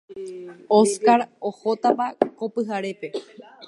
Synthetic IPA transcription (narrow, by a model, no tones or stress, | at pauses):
oskaɾohot̪apakopɨɦaɾe̞pe̞